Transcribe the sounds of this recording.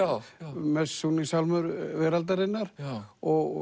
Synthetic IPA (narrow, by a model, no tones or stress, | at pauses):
mɛsːunisawlmʏɾvɛːɾalt̪aɾɪnːaɾɔɣ